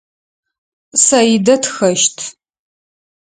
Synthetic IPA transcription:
sɐjdɐtʰxɐʃtʰ

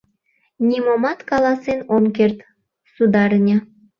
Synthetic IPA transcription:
nʲimomɑt̪kɑlɑsenomkert̪ | sud̪ɑrnʲə̆

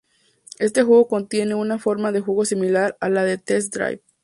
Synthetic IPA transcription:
e̞s̬t̪e̞xwe̞ɣo̞ko̞nt̪je̞ne̞unafo̞ɾmaðe̞xweɣo̞similaɾalaðet̪es̬d̪ɾa̰jβ

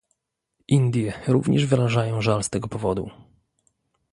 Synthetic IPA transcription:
ʔind̪ʲjɛɾṵvɲɛʐvɘɾaʐajɔ̃w̃ʐalst̪ɛɡɔpɔvɔd̪ṵ

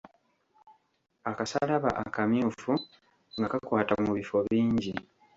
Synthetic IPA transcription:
akasalaβa̰ʔakamjuːfu | ŋɡakakwaːtamuβifo̞βiːɲɟi

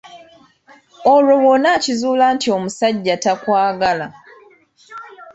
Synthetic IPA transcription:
olo̞wonacizuːlaːntio̞musaɟːatakwaːɡala

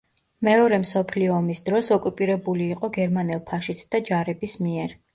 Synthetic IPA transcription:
mɛɔɾɛmsɔpʰliɔːmisd̪ɾɔsɔkʼupʼiɾɛbuliːqʼɔɡɛɾmanɛlˠpʰaʃitsʰd̪̥ad͡ʒaɾɛbismiɛɾ

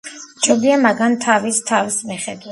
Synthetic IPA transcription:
t͡ʃʰɔbiamaɡant̪ʰavist̪ʰavismiχɛd̪wa

